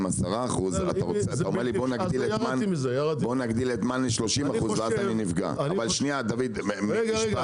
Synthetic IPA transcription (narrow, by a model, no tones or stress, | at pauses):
masaʁaːχuza̰t̪aʁot͡seataomeʁlibonaɡ̪iletmanmzajaʁt̪bonaɡd̪ilet̪manleʃlo̞ʃimaχuzveazaninivɡa̰avalʃniad̪avid̪meɡeɡ